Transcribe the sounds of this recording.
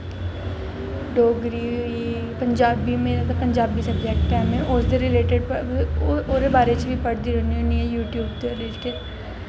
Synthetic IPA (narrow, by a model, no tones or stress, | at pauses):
ɖoːɡɾiːi | pəɲd͡ʒaːbiːmeːɾat̪apəɲd͡ʒaːbiːsəbd͡ʒɛːkʈɛːmɛ̃ʔʊsd̪eːɾɪleːʈeɖpə | oːɾeːbaːɾeːt͡ʃʋiːpəɽd̪iːɾoːniːɦoːniːɛːjuːʈjuːbd̪eleːʈe